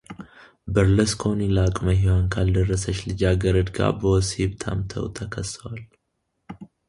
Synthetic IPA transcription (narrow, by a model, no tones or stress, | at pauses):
bəɾləskʰonilakʼməɦiwaŋkʰald̪ərːəsət͡ʃːlɨd͡ʒaɡəɾəd̪ɡa̰bəwshibt̪ʰa̰mt̪ʰə̰wt̪ʰəkʰəsːəwal